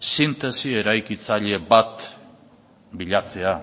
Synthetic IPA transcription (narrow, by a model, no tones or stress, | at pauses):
sint̪e̞sie̞ɾajkit͡saʎe̞bat̪ | biʎat͡se̞a